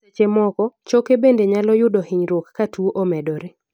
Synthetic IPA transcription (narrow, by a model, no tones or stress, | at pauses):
et͡ʃemɔkɔt͡ʃokebendeɲalɔjʊdɔhɪɲɾokːatuoʔomɛdɔɾe